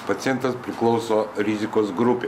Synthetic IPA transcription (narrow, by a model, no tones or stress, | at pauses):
pɐt̪sʲɪjɛnt̪ɐspʲɾʲɪklˠɒʊsoːɾʲɪzʲɪkoːsɡɾʊpʲe